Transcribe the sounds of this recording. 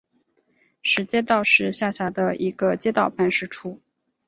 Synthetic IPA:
ʂɻ̩˧˥t͡ɕjɛ˥t̪ɑ˥˧ʊʂɻ̩˥˧ɕja˥˩ɕja˧˥d̪ə˧i˧˥ɡə˧t͡ɕjɛ˥t̪ɑ˥˨˩ʊpa˥˧nʂɻ̩˥˩ʈ͡ʂʰu˥˩

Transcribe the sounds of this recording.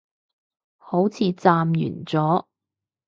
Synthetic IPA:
ho˨˥wt͡sʰiː˨˧t͡saː˧mjy̰ː˨˩nt͡sɔː˨˥

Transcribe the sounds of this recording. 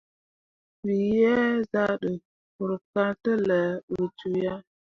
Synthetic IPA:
wi˨jɛ˦za˦ɗə˨ | ku˨ɾka˦ɾtə˦lə˨ɾi˨t͡ʃu˨ja˦

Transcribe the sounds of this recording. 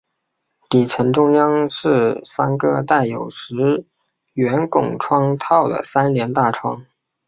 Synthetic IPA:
t̪i˨˩ʈ͡ʂʰə˧˥nʈ͡ʂʊ˥ŋjɑ˥ŋʂɻ̩˥˩sa˥nkɤ˥˧t̪a˥˩ɪjo˨˩ʊʂɻ̩˧˥ | ɥɛ˧˥nkʊ˨˩ŋʈ͡ʂʰwɑ˥ŋt̪ʰɑ˥˩ʊd̪ə̰˩sa˥nljɛ˧˥nt̪a˥˩ʈ͡ʂʰwɑ˥ŋ

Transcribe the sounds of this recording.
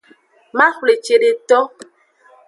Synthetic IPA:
ma˦xle˨t͡ʃe˨ɾe˨tɔ˦

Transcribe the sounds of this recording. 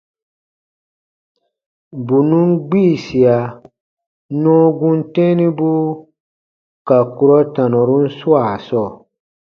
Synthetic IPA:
bu˨nũ˦ŋ˦ɡ͡biː˦˨si˨a˨ | nɔ̃ː˦ɡũ˦n̩˦tɛ̃˦nĩ˦bu˦ | ka˨ku˨ɾɔ˦tã˨nɔ˨ɾu˦n̩˦su˦a˨sɔː˦˨

